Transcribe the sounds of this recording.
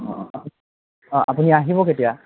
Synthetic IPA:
ɔ̰apu | ɔ̃ʔapuniaɦibɔketija

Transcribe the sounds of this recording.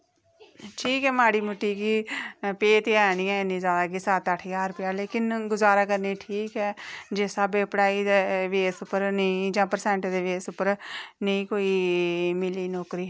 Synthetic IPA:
ʈʰiːkɛːmaːɽiːmʊʈːiːkiːpeːt̪eɛːɽ̃iːɛ̃ːɪnĩːzjaːd̪aːɡɪsaːt̪aʈʰːjaːɾpɪjaːleːkɪnɡʊzaːɾaːkəɾniʈʰiːkɛːd͡ʒeːsaːbeːpɽaːiːd̪eːʋeːsʊpːəɾnəĩd͡ʒãːpəɾsɛ̃ːɳʈd̪eːʋeːsʊpːəɾnəĩːkoːiːmɪliːnɔːkɾiː

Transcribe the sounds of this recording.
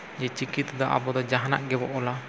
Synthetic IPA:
d͡ʒɛt͡ʃikit̪d̪ɔʔa̰bɔd̪ɔd͡ʒaɦana̰ʔɡɛbɔʔɔla

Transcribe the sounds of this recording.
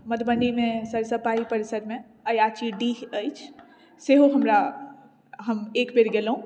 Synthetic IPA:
məd̪bənimẽsəɾsəpaipəɾɪsəɾmẽ | əjat͡ʃiɖiəjt͡ʃʰ | seɦoɦəmɾa | ɦəmeːkbeɾɡelɦũ

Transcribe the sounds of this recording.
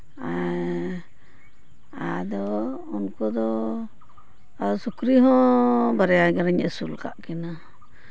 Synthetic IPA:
a | ad̪ɔ | unkɔd̪ɔ | sukɾiɦɔ̃baɾɛaɡɛɾaɲɛ̰sulka̰ʔkɛna

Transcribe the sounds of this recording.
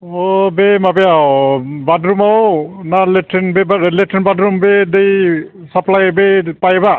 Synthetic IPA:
ɔbemabɛjawbadɾumawnaletʰenbeletʰenbadɾumbed̪ej | saplajbepajba

